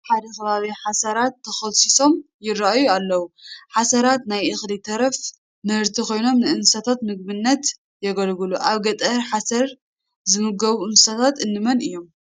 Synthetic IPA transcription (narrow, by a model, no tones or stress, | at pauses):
ħad̪ɐkʰɐβaβiħasɐɾat̪ʰːɐxɐlsiso̞m | jɪraʔajualːɐwuħasɐɾat̪najʔɨxlit̪ʰɐɾɐf | mɨhɨɾt̪ʰikʰo̞jno̞mnɨʔɨnsat̪ʰat̪mɨɡ̚βɨnːɐt̪ | jɛɡɐlɡɨluʔaβɡɐt̪ʼɐɾħasɐɾ | zɨmɨɡɐβuɨnsat̪ʰat̪ɨnːɨmɐnɨjːo̞m